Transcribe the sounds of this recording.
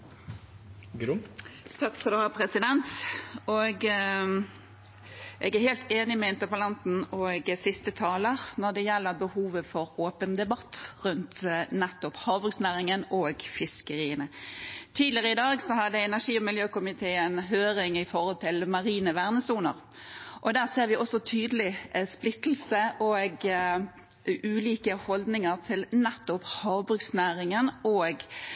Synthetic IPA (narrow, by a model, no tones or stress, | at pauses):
ɡɾt̪ʰɑkfɔd̪ɛhɑːpʰɾɛsɪd̪ɛnt̪ɔɡ | ʔɛɡæheːlt̪eːnɪmɛɛnt̪əpɑlɑnt̪n̩ɔɡsɪst̪ət̪ʰɑːləɾnɔd̪ɛjɛlːəʁbəhuːʋəfɔɾoːpənd̪ɛbɑt̪ːʁʉnt̪nɛt̪ːʊphɑːʋʊɡsnæʁɪŋənoːɡfɪskəɾiːənət̪ʰiːd̪lɪəʁəɪd̪ɑːɡsɔhɑd̪əɛnæʁʂiːɔmɪljøːkʊmɪt̪ʰeːɛnɦøːɾɪŋɪfɔʁɔlt̪ʰɪlmɑɾiːnəʋæʁnəsuːnə̰ɾ | ʔɔd̪æːʁseːɾʋɪʔɔsɔt̪ʰyːd̪əlɪsplɪt̪l̩səʔɔɡ | ʉːliːkəhɔld̪nɪŋəʁt̪ʰɪlnɛt̪ːɔphɑːʋbʁʉksnæːɾɪŋənɔːɡ